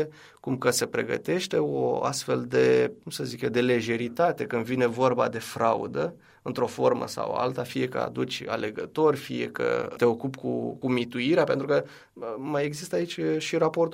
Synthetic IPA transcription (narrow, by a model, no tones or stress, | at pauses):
kumkəse̞pɾe̞ɡə̰t̪e̞ʃt̪e̞o̰a̰st̪fe̞ld̪e̞kumsəziked̪e̞le̞ʒe̞ɾit̪at̪e̞kɨnd̪vine̞vo̞rba̰d̪e̞fɾaṵd̪ə | ɨnt̪ɾo̞fo̞rmə̰sa̰w̰a̰lt̪afije̞kə̰a̰d̪ut͡ʃʲa̰le̞ɡət̪o̞rʲfije̞̰kə̰t̪e̞o̞kupkṵkumit̪uiɾeape̞nt̪ɾukə | maje̞ɡzist̪əait͡ʃʲʃiɾapo̞rt̪